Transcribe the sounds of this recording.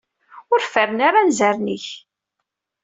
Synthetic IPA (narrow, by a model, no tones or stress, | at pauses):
ʊɾfəɾənaɾanzæɾniç